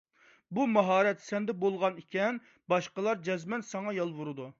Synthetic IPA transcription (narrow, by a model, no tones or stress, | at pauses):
bumɑɦɑːɾɛt̪sɛnd̪ɛbolˠʁɑnikʲʰɛn | bɑʃqəlˠɑɾd͡ʒɛzmɛnsɑŋɑjɑlˠvʊɾɨd̪u